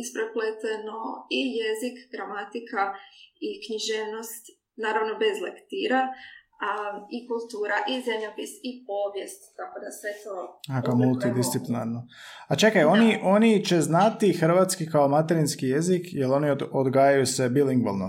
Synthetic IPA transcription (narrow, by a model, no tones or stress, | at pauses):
ispɾeplet̪eno̞ijezikɡɾamat̪ikaikɲiʒeːʋno̞st̪ | naːɾaʋnobe̞zlekt̪iɾa | ikulˠt̪uːɾaʔizemʎapisip̚o̞ːʋjest̪ːako̞d̪asʋe̞t̪oakomulˠt̪id̪issiplina̰ɾnoat͡ʃe̞kajo̞niʔo̞nit͡ʃe̞znat̪ixɾ̩ʋat̪skikaomat̪eɾinskijezikjelo̞niood̪ɡaːjajuse̞biliŋɡʋo̰lno